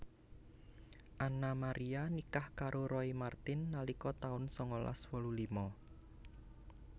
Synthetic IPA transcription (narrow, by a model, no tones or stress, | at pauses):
ʔanamaɾʔianikahkaɾʔoɾɔimart̪ɪnːalikɔt̪aʊnsɔŋola̰swɔlulimɔ